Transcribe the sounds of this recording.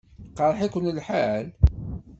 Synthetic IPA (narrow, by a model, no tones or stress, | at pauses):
qəɾˤħikʷənlħal